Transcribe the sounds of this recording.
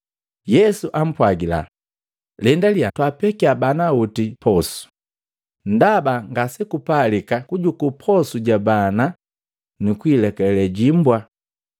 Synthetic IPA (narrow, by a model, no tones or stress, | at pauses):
jɛsuʔam̩pwaɡila̰ | lɛndaliatwapɛkiabanautipɔsu̥ | n̩dabaŋɡasɛkupalikakuɟukupʰɔsuɟabana | nukuilɛkɛlɛlɛɟimbwa